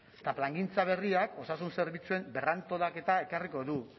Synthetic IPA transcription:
t̪aplaŋɡint͡saβ̞e̞riako̞sasunse̞ɾβit͡sue̞mbe̞rant̪o̞lake̞t̪ae̞kariko̞ðu

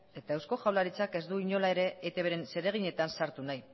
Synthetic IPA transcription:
e̞t̪aewsko̞ʝawlaɾit͡sake̞zd̪uiɲo̞lae̞ɾe̞ːt̪e̞βeɾe̞nse̞ɾe̞ɣ̞iɲe̞t̪ansaɾt̪unaj

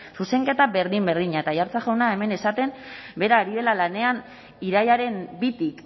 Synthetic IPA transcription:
suse̞ŋke̞t̪abe̞ɾðimbe̞ɾðiɲaet̪ajaɾt͡saʝewnae̞me̞ne̞sat̪e̞mbe̞ɾaːɾiðe̞lalane̞an | iɾajaɾe̞mbit̪ik

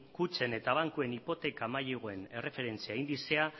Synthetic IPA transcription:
kut͡se̞ne̞t̪aβ̞aŋkue̞nipo̞t̪e̞kamajeɣ̞oe̞ne̞re̞fe̞ɾe̞nt͡siaeind̪isea

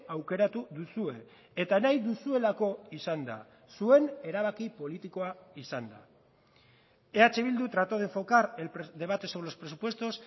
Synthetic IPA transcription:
awke̞ɾat̪uðusue̞ː | t̪anajðusue̞lako̞isand̪a̰ | sue̞ne̞ɾaβ̞akipo̞lit̪iko̞aisand̪a | e̞at͡se̞β̞ild̪ut̪ɾat̪oðe̞ɱfo̞kaɾed̪e̞βat̪e̞seulo̞spɾesupwe̞st̪o̞s

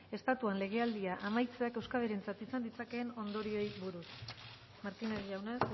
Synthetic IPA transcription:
e̞st̪at̪uanle̞ɣ̞e̞ald̪iaʔamajt͡se̞ake̞wskaβeɾent͡sat̪isand̪it͡sake̞ːno̞nd̪o̞ɾio̞jβuɾus | maɾt̪ineɾʝawne̞s

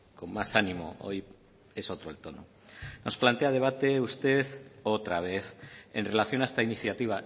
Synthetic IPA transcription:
ko̞mmasanimo̞̰o̞̰j | e̞so̞t̪ɾo̞elt̪o̞no̰ | no̞splant̪e̞að̞e̞β̞at̪e̞ust̪e̞ðot̪ɾaβ̞e̞θe̞̰nre̞laθjo̞naest̪ainiθjat̪iβ̞a

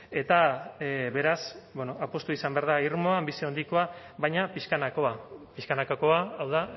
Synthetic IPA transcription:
e̞t̪a | βe̞ɾasbeno̞ʔapo̞st̪uisambeaɾð̞aiɾmo̞ambisiond̪iko̞a | βajɲapiʃkanakoapiʃkanakako̞aːwða

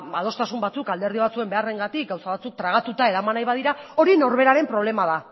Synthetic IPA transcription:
að̞o̞st̪asumbat͡sukald̪e̞ɾð̞iβ̞at͡sue̞mbe̞are̞ŋɡat̪ik̚ɡawsaβat͡suk̚t̪ɾaɣ̞at̪ut̪ae̞ɾamanajβaðiɾao̞ɾino̞ɾβe̞ɾaɾe̞mpɾo̞β̞le̞maða

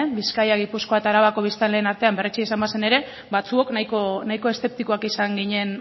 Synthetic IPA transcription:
biskajaɣipusko̞at̪aɾaβako̞β̞ist̪anle̞ːnaɾt̪e̞ambe̞reit͡ʃiesambase̞ne̞ɾe̞ | bat͡suo̞knajkonajko̞e̞st̪e̞p̚t̪iko̞akisaŋɡiɲe̞n

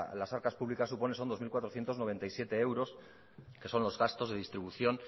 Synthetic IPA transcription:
lasaɾkaspuβlikasːupo̞neso̞nd̪omilkwat̪ɾo̞θje̞nt̪oznoβe̞nt̪ajsje̞t̪e̞ewɾo̞s | ke̞so̞nlo̞zɣast̪o̞zðe̞ð̞ist̪ɾiβuθjo̞n

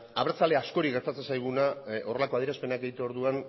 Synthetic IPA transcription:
aβɾt͡saleasko̞ɾikɡeɾt̪at͡sensajɣ̞unao̞re̞lakoað̞jeɾaspe̞nakɡeit̪uo̞ɾðuan

